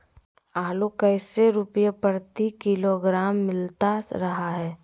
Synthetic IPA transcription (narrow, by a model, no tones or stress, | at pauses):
aːlokəɪseɾʊpjapəɾt̪ikɪloɡɾaːmːɪlt̪aɾɐɦaɦɛː